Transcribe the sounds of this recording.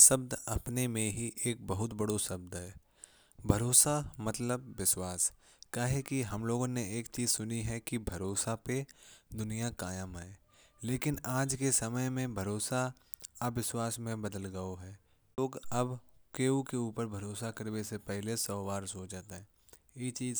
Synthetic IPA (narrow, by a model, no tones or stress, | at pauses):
sɐb̚d̪ɐpnemẽɦiʔeːk̚bɐɦʊt̪bɐɽosɐb̚d̪ɦɛː | bʱɐɾoːsamɐt̪ləbːɪswaːs | kaːɦekiɦɐmloːɡõneeːkt͡ʃiːzsʊniɦɛkibʱɐɾoːsaped̪ʊnijakaːjəmɦɛ̃ː | leːkɪnaːd͡ʒkesɐməjmẽbʱɐɾoːsa | ɐbʋɪswaːsmẽbɐd̪əlɡɐoɦɛː | oːɡɐbkeːukeuːpəɾbʱɐɾoːsakɐɾwesepɛɦlesɔːwaːɾsoːd͡ʒaːt̪aɦɛ̃ː | jet͡ʃiːz